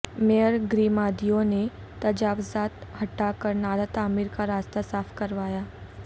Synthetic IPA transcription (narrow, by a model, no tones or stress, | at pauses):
mejəɾɡɾiːmad̪ijone | t̪əd͡ʒafzat̪ɦəʈːakəɾnaɾat̪aːmiɾkaɾast̪asaːfkəɾʋaːja